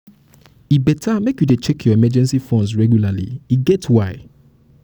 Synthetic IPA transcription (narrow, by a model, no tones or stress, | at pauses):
ibɛtʰamekjudet͡ʃɛkʰjɔɛmɛd͡ʒɛ̃nsifɔ̃nzsɹɛɡjulalḭiɡɛtʰwaɪ